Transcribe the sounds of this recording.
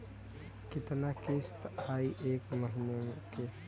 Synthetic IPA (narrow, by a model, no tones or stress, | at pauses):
kɪt̪nakist̪aiʔeːkməɦinemeke